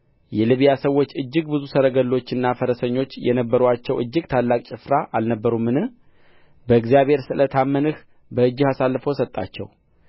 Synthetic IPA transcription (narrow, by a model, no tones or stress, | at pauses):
jɛlɨβjasəwːot͡ʃːɨd͡ʒːɨɡbɨzusəɾəɡəlːo̞t͡ʃːɨnːafəɾəsəɲːo̞t͡ʃːjɛ̰nəbːəɾuat͡ʃːɛwʔɨd͡ʒːɨɡt̪ʰalːakʼt͡ʃʼɨfɾaʔalnəbːəɾumːɨnɨh | bəɨɡzijaβhe̞ɾsɨlət̪ʰamːənɨh | bəɨd͡ʒːɨhasalːɨfəwsət̪ʼːa̰t͡ʃːɛ̰w